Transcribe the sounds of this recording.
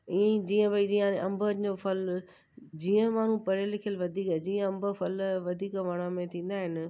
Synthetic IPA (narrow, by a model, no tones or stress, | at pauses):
ĩd͡ʑiːə̃bɐid͡ʑiaeʔɐ̃mbəɾɲd͡ʑofɐl | d͡ʑiːə̃maːɳ̤ũpɐɾelɪkʰijəlʋɐd̪ʱiːkad͡ʑiːə̃ɐ̃mbəfɐlʋɐd̪ʱiːkʋɐɽ̃amẽt̪ʰĩːn̆d̪aːɦɪnɪ